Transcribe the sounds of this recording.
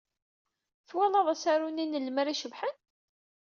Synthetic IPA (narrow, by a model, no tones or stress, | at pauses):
θwælɑðˤæsaɾuninəlməɾiʃəvħən